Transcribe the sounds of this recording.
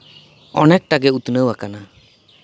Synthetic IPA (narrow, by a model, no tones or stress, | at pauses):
ɔnɛk̚ʈaɡɛut̪nəwakana